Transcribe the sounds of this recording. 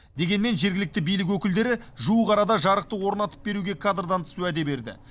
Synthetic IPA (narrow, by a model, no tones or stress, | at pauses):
d̪e̞ɡʲe̞nme̞nʒe̞ɾɡʲɪlɪk̚t̪ɪbijlɪk̬wɵkʲɪld̪e̞ɾɪʒuəʁɑɾɑd̪ɑʒɑɾəq̚t̪əwo̞ɾnɑt̪ə̥p̚be̞ɾuɡʲe̞kʰad̪rd̪ɑnt̪ʰʏ̥suæd̪e̞be̞ɾd̪ɪ̰